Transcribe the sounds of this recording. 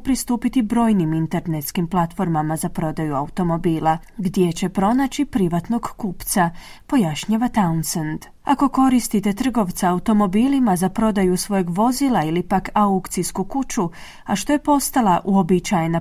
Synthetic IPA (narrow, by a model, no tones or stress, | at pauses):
pɾist̪uːpit̪ibɾo̞ːjnimint̪e̞ɾnet̪skimplˠat̪fo̞ɾmamazapɾo̞d̪ajuaut̪o̞mo̞biːlˠa | ɡd̪je̞t͡ɕe̞pɾo̞nat͡ɕipɾiʋat̪no̞ɡkuːpt̪sa | po̞jaʃɲaʋat̪aunsand̪ | ako̞ko̞ɾist̪it̪e̞t̪r̩ɡo̞ʋt̪saaut̪o̞mo̞biːlimazapɾo̞d̪ajusʋo̞jeɡʋo̞zilailipakaukt̪siskukut͡ʃu | aʃt̪o̞je̞po̞st̪alˠaʔuo̞bit͡ʃajena